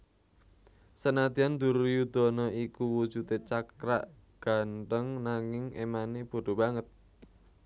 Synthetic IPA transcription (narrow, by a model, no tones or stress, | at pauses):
sənad̪̥iand̪̥ṳɾujud̪̥ɔ̤nɔʔikuwud̥ʒ̥ṳt̪et͡ʃakɾa̰ʔ | ɡ̥a̤nt̪əŋnaŋɪŋḛmaneb̥o̤ɖ̪̥o̤baŋət̪̚